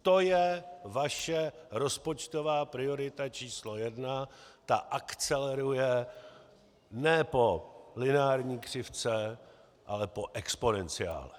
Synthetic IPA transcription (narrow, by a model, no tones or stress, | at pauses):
t̪o̞jɛvaʃɛɾo̞spo̞t͡ʃt̪o̞vaːpɾɪo̞ɾɪt̪at͡ʃiːslo̞jɛdnat̪aʔakt͡sɛlɛɾujɛ | nɛpo̞lɪnaːɾɲiːkr̝̥ɪft͡sɛ | ʔa̰lɛpo̞ʔɛkspo̞nɛnt͡sɪja̰ːlɛ